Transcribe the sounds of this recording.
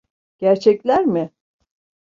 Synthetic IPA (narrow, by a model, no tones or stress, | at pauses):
ɟ̥æɾt͡ʃʰɛclʲæɾmɪ